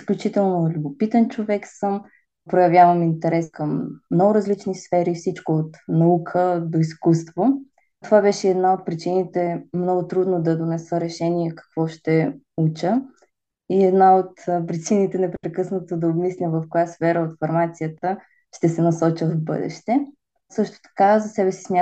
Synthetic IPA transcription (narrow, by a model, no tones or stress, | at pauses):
isklʲut͡ʃit̪ɛlˠnolʲubopit̪ɛnt͡ʃovɛksəm | pɾojɐvʲjavəmint̪ɛɾɛskəmːnɔɡʊɾɐzlit͡ʃnisfɛɾifsit͡ʃkoot̪nɐukʰəd̪oiskust̪vo | t̪ovabɛʃɛːd̪naot̪̚pɾit͡ʃinit̪ɛmnɔɡʊt̪ɾud̪nod̪ɐd̪onɛsəɾɛʃɛniɛkɐ̥kvɔʃt̪ɛ | ut͡ʃə | iɛd̪naot̪pɾit͡ʃinit̪ɛnɛpɾɾɛkɤsnət̪od̪ɐobmislʲəvəfkojasfɛɾəot̪fɐɾmat̪sijət̪ə | ʃt̪ɛsɛnɐsɔt͡ʃəvbɤ̰d̪ɛ̰ʃt̪ɛ | sɤʃt̪o̥t̪ɐ̥kazɐsɛbɛsi̥smʲja